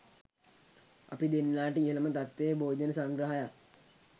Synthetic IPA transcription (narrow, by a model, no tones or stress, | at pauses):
a̰pid̪enːaːʈəiɦələmət̪at̪ʋejbʱoːd͡ʒənəsaŋɡɾəɦajak